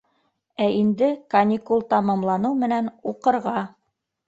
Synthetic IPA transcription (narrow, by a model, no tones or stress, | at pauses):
æʔind̪ɘkɐnʲikulˠt̪ɑmɑmlˠɑnɤwmɘ̆nænuqɤ̆ɾʁɑ